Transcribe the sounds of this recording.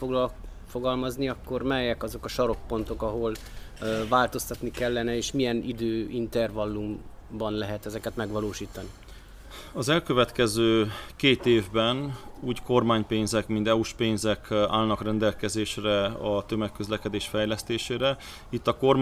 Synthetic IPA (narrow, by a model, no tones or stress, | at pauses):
o | foɡɒlmɒzniɒkːo̞rmɛjɛkɒzo̞kɒʃɒɾo̞k̚po̞nt̪o̞kɒɦo̞l | vaːlt̪o̞st̪ɒt̪nikɛlːɛnɛeːʃmijɛnid̪øːint̪ɛrvɒlːum | bɒnlɛɦɛt̪ɛzɛkɛt̪mɛɡʋɒloːʃiːt̪ɒni | ɒzɛlkøvɛt̪kɛzøːkeːt̪eːvbɛnuːcko̞rmaːɲpeːnzɛkmint̪ɛuʃpeːnzɛka̰ːlnɒkrɛnd̪ɛlkɛzeːʃrɛɒt̪ømɛkːøzlɛkɛd̪eːʃfɛjlɛst̪eːʃeːɾɛ | it̪ːɒko̞r